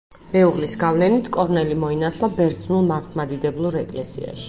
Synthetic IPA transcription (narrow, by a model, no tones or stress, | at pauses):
mɛuʁlisɡavlɛnit̪ʰkʼɔɾnɛlimɔinat̪ʰlˠabɛɾd̪znulˠmamχmad̪id̪ɛblˠuɾɛkʼlɛsḭa̰ʃi̥